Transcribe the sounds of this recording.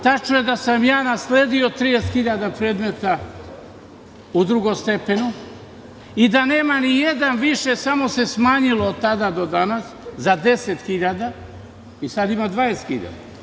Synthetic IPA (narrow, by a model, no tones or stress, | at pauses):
t̪at͡ʃnuje̞d̪asamjaːnasleːd̪io̞t̪ɾijese̥t̪xiʎad̪apɾeːd̪me̞t̪a | ud̪ɾuɡo̞mst̪e̞penu | id̪ane̞ːmanijed̪anʋiʃe̞samo̞se̞smaːɲiloːd̪̚t̪ad̪ad̪o̞d̪anaszad̪e̞set̪xiʎad̪a | isad̪imad̪ʋaːese̥t̪xḭʎa̰d̪a̰